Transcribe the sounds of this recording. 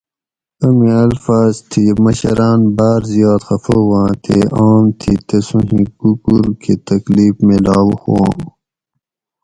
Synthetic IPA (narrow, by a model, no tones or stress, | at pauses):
ɐmĩɐlfaːzt̪ʰimɐɕɐɾaːnbaːɾzijaːt̪xɐfoːwãːt̪ʰeʔaːmt̪ʰit̪ɐsũɦĩkukuɾkʰet̪ɐkliːfmẽlaːwuxoã̰ː